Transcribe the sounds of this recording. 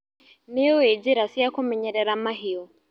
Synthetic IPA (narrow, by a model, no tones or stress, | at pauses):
nɛɔɛd͡ʒiɾasiakɔmɛɲɛɾɛɾamaɦiɔ